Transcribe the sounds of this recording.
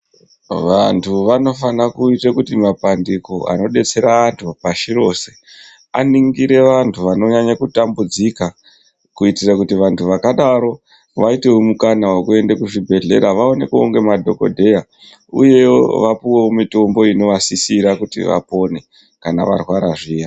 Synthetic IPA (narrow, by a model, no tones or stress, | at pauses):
ʋantʰuʋano̞fanakuitekutimapandiko̞ʔa̰no̞ɗe̞t͡se̞ɾaːntʰupaʃiɾose̞ | a̰niŋɡiɾe̞ʋantʰuʋano̞ɲaɲakutambud͡zika | kuitirakutiʋantʰuʋakaɗaɾo̞ | ʋaite̞omukanawakue̞ndekuʐibʱe̞ɮe̞̰ɾaʋao̞ne̞kuoŋɡe̞madʱo̞ko̞̰dʱe̞ja | ṵje̞oʋapiwoomito̞mbo̞ino̞ʋasisiɾakutḭʋa̰po̞ne̞ | kana̰ʋa̰rwaɾaʐiːja